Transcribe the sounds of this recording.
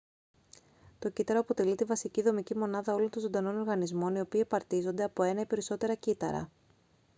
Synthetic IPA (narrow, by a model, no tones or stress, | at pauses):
t̪o̞cit̪ɐɾoɐpo̞t̪e̞lit̪ivɐsiciðo̞micimo̞nɐðɐo̞lo̞nt̪ozo̞d̪ɐno̞no̞ɾɣɐnizmo̞nio̞piːepɐɾt̪izo̞nd̪eɐpo̞e̞nɐipe̞ɾiso̞t̪e̞ɾɐcit̪ɐ̰ɾɐ̰